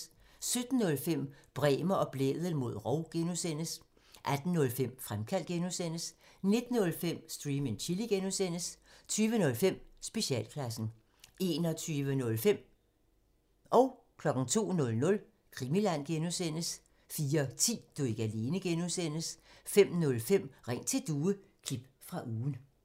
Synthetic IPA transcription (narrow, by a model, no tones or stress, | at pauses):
sød̥n̩ːɔ̽lfem̰b̥ʁɛ̰ːmɐʔɒ̽b̥lḛðˠəl̩ˠmo̝ð̞̰ˠʁɒʊɡ̥enusen̰əs | ʔæd̥n̩ːɔ̽lfem̰fʁamkʰæl̰d̥̚ɡ̥enusen̰əs | ne̝d̥n̩ːɔ̽lfem̰sd̥ʁiːment͡ɕʰiliɡ̥enusen̰əst͡sʰyːʋənɔ̽lfem̰sb̥e̝ɕɛ̰ːlkʰlæsn̩ | ʔe̝nɒt͡sʰyːʋənɔ̽lfem̰ | ʔɒ̽ʊ | kʰlɒ̽ɡ̥n̩t͡sʰo̝̰ːnɔ̽lnɔ̽l | kʰʁimilæn̰ɡ̥enusen̰əs | fiːɐt͡sʰḭːd̥ueɡ̥æle̝ːnəɡ̥enusen̰əsfem̰nɔ̽lfem̰ʁeŋ̰t͡sʰe̝ld̥uːəkʰlib̥ | fʁɑ̈ʔuːn̩